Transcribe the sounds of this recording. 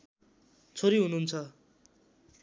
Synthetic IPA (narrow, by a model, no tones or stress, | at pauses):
t͡sʰoɾiɦununt͡sʰʌ